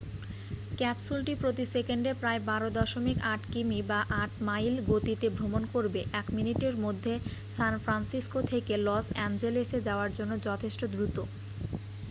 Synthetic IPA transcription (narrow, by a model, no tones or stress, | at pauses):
kɛpsulʈipɾot̪isekeɳɖepɾaebaɾod̪ɔʃomikaʈkimibaʔaʈmajlɡot̪it̪ebʱɾomonkoɾbeʔɛkminiʈeɾmod̪ʱːesanfɾansiskot̪ʰekelɔsɛnd͡ʑelesed͡ʑaoaɾd͡ʑonːod͡ʑɔt̪ʰeʃʈod̪ɾut̪o